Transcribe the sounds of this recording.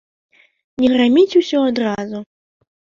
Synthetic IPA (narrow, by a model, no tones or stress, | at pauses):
nʲɛɣramʲit͡sʲusʲɔad̪ɾazu